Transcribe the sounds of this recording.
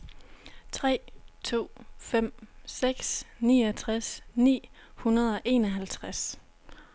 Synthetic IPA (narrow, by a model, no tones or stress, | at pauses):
t͡sʰʁɛ̰ːt͡sʰo̝̰ːfem̰seɡ̥snḭːɒt͡sʰʁasnḭː | hunɐðˠɒ̽ʔe̝ːnɒɦælt͡sʰʁas